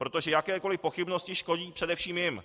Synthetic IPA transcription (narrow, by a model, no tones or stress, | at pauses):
pɾo̞t̪o̞ʒɛjakɛːko̞lɪpo̞xɪbnoscɪʃko̞ɟiːpr̥ɛdɛfʃiːmjɪm